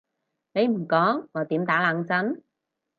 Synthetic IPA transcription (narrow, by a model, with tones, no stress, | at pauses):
ne˨˧jm̩˨˩kɔː˨˥ŋːɔː˨˧t̪iː˨˥mt̪aː˨˥laː˨˧ŋt͡sɐ˨˥n